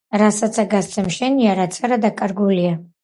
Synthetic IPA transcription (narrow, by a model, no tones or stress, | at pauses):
rasat͡sʰaɡast͡sʰʼamʃanjaɾat͡sʰaɾadakʼarɡʷulja